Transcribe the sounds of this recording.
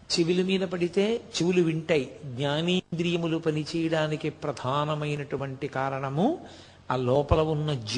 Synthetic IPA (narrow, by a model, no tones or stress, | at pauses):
t͡ʃiʋilumiːd̪ɐpɐɽit̪e̞ːt͡ʃiʋuluʋiɳʈaːjiɡɲaːniːnd̪ɾijɐmulupɐnit͡ʃɛːjɐɽaːnikipɾɐd̪ʱaːnɐmɐjnɐʈuʋɐɳʈikaːɾɐɳɐmu | aːlɔːpɐlɐʋunːɐd͡ʒ